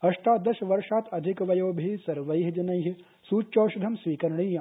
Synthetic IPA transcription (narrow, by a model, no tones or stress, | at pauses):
ɐʂʈaːd̪ɐʃɐʋɐɾʂaːt̪ɐd̪ʱikʋɐjoːbʱiːsɐɾʋɐjɦid͡ʒɐnɐjɦi | suːt͡ʃːt͡ʃoːʃud̪ʱɐmsʋiːkɐɾɐɳiː